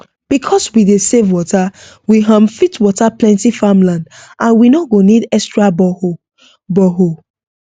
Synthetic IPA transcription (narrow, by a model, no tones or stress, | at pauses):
b̥ikʰɔswidesevwɔta | wiɦãmfitwɔtaplɛ̃ntifamlãndʔãnwinɔɡonidɛstɹabɔ | bɔɦo